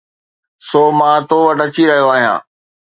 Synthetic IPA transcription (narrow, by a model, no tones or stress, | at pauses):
soːmãːt̪oːʋəʈɐt͡ɕiɾɐɦijoaːɦijã̰ː